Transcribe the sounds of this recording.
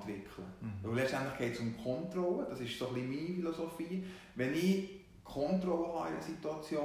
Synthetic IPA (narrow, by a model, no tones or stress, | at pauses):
tʋɪkʰləʋɵwlɛt͡stæntləχɡ̥ɛɪtsʊmkʰɔntrɔlːəd̥ɑsɪʃsoχlimiːnifilosofiː | ʋɛnɪ | kʰɔntrɔləɦɑ̰idəsituɑt͡sjoː